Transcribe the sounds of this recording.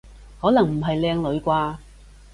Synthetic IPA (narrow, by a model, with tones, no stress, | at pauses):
hɔː˨˥nɐ˨˩ŋm̩˨˩ɦɐ˨jlɛː˧ŋlɵ˨˧ɥkʷaː˧